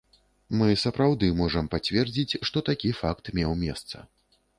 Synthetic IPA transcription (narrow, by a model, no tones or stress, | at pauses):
mɨsɐpɾawd̪ɨmɔʐɐmpat͡sʲvʲɛrd͡zʲit͡sʲʂt̪ɔt̪akʲifakt̪mʲɛwmʲɛst̪sɐ̰